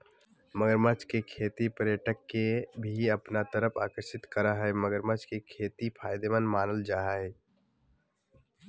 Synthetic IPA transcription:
məɡəɾmət͡ʃkekʰeːt̪ipəɾjəʈəkːebʱiəpnat̪əɾəpʰaːkəɾʃɪt̪kəɾaɦɛməɡəɾmət͡ʃkekʰeːt̪ipʰaːjd̪emənmaːnəld͡ʒaːɦaɦɛ

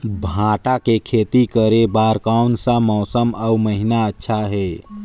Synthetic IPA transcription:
bʱãːʈakekʰeːt̪ikəɾebaːɾkaunsãmɔːsəmauməɦinaətːʃʰaɦɛː

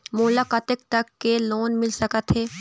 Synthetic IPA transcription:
muːlaːkaːt̪ɪk̚t̪ɐkːeloːnmɪlsɐkət̪ɦeː

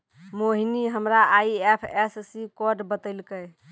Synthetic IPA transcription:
moɦiniɦəmɾaaiɛpʰɛssikɔɖbət̪əlkə

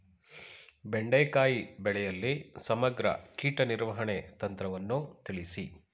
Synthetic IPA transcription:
beɳɖeːkaːjibɛɭɛjɐlːisɐmɐɡɾɐ̰kiːʈɐniɾʋɐɦɐɳet̪ɐnt̪ɾɐʋɐnːut̪iɭisi

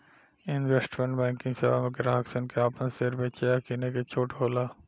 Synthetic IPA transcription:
ɪnʋeːsʈmẽɳʈbɛ̃ːŋkɪ̃ŋɡseʋa̰ːmeɡɾaːksənkeaːpənseːɾbeːt͡ʃejaːkiːneket͡ʃʰoːʈɦoːlaː

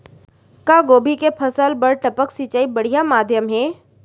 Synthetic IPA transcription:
kaːɡoːbʱikepʰɐsəlbəɽʈɐpəksiːt͡ʃaːibɐɽ̤ijamaːd̪ʱjəmɦɛː

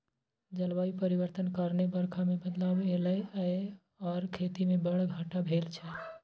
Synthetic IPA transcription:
d͡ʒəlʋaipəɾiʋəɾt̪ənkəɾnebəɾkʰamebəd̪labeləə | ɔːɾkʰet̪imebəɽɡʱəʈabʱelt͡ʃʰɛ

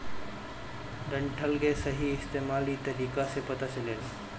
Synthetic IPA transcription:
ɖə̃ɳʈʰəlɡesəɦiɪst̪eːmaːlit̪ɐɾiːkasepɐt̪at͡ʃəleː

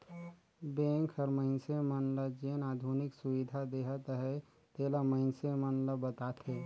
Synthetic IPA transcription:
bẽŋkʰəɾməɪnsemənləd͡ʒenaːd̪ʱunɪksuwid̪ʱad̪eɦət̪ɦɛ | t̪eləməɪnsemənləbət̪at̪ʰe

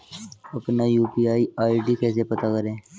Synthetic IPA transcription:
ɐpnajuːpiaːiaːiːɖiːkɛːs̬epɐt̪akɐɾẽː

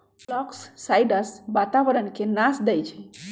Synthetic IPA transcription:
blɔksːajɖəsbat̪aʋəɾənkenasd̪ɛjt͡ʃʰɛ

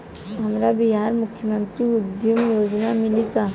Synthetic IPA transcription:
ɦɐmɾabiɦaːɾmʊkʰjəmə̃nt̪ɾiʊd̪jumjoːznamɪlikaː

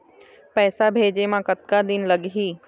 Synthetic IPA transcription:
pɛːsabʱeːd͡ʑemãkɐt̪̚kad̪ɪnlɐɡɦiː

